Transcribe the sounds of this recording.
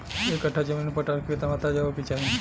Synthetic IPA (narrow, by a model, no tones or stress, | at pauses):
ekəʈʰːad͡ʒəminpəʈaket̪amãt̪ad͡ʒaʋopit͡ʃaɾi